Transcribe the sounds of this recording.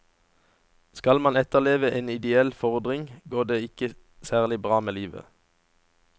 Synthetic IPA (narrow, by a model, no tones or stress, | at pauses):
skɑlmɑnɛt̪əʁleːʋəʔeːnɪd̪ɛɛlfɔʁd̪ʁɪŋɡoːʁd̪eːɪkə | sæːʁlɪbʁɑːmeːliːʋə̰